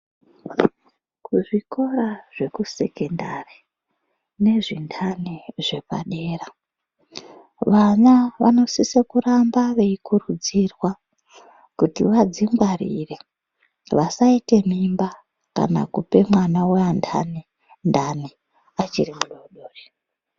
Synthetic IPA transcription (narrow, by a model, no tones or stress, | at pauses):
kuʐiko̞ɾaʐ̥e̞kuse̞kendari | ne̞ʐindʰaniʐ̥e̞pa̰ɗe̞ːra | ʋanaʋa̰no̞sisekurambaʋe̞ikurud͡zirwa | kutḭʋad͡zimɡwaɾḭre | ʋasaite̞mimba | ka̰na̰kupe̞mwanaweandʰa̰ne | ndani | at͡ʃirimuɗoɗoːri